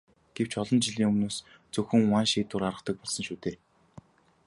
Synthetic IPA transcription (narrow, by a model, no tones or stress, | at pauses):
ɡ̥ew̥t͡ɕɔɮɞ̆nt͡ɕiɮiːŋɵmnoːs | t͡sɵxɵ̆ŋʊwaːnʃiːt̪ʊːɾaɾə̆χt̪ə̆k̚pɔɮsɞ̆nʃuːt̪eː